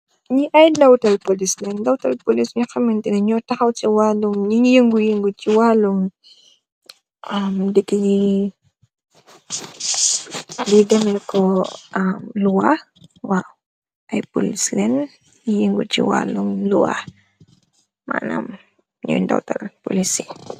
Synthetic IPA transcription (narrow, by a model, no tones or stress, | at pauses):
ɲiʔɐjdawtɐlpolislɛndawtɐlpolisɲuxɐmɛntinɐɲɔtaxɐwt͡ʃiwalumɲijəŋɡujəŋɡut͡ʃiwalum | amdikiji | didɐmɛkʰɔʔamluwa | waw | ʔɐjpulislɛn | ɲijəŋɡṵcḭwa̰lumlṵwa̰ | ma̰na̰m | ɲṵjnda̰wtɐ̰lpṵlisi̥